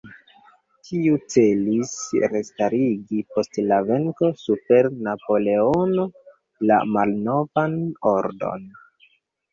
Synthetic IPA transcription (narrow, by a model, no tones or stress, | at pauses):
tʰiut͡se̞lisɾestaɾiɡipo̞stlave̞ŋko̞supe̞ɾnapo̞le̞o̞no̞ | la̰malno̞vano̞ɾdo̞̰n